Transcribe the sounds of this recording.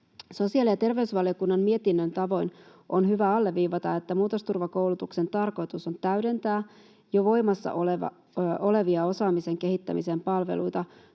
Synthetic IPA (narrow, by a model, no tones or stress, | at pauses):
so̞siɑˑlijɑt̪e̞rʋe̞ysʋɑlio̞kunːɑmmie̞t̪inːønt̪ɑʋo̞in | ʔonhyʋæɑlːeʋːiːʋɑt̪ɑe̞t̪ːæmuːt̪ost̪urʋɑko̞wlut̪ukse̞nt̪ɑrko̞jt̪uso̞nt̪æyde̞nt̪æː | joʋo̞jmɑsːɑ̰ʔoleʋɑ̰ | o̞le̞ʋiɑo̞sɑːmise̞ŋke̞hit̪ːæ̰mḭsempɑlʋḛlṵjt̪ɑ